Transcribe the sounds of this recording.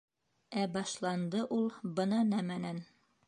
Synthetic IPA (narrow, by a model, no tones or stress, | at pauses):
æbɑʃlˠɑnd̪ɤʔulˠbɤ̆nɑnæmænæn